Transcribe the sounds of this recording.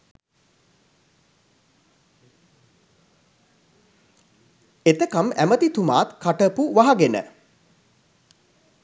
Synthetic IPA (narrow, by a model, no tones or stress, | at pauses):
et̪əkamæmət̪it̪uma̰ːt̪kaʈəpuʋaɦaɡenə̰